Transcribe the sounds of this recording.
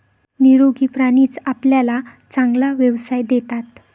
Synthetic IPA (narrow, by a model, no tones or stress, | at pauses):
niɾoɡʱipɾaniːt͡sapljala | t͡sãŋɡlaʋjəʋsajd̪et̪at̪